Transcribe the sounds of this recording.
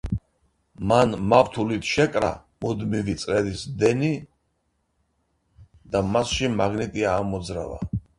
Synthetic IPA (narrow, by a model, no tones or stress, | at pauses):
manmaft̪ʰulit̪ʰʃɛkʼɾa̰ | mud̪mivit̪sʼɾɛd̪isd̪ɛni | d̪amasʃimaɡnit̪ʼiaːmɔd̪zɾa̰va̰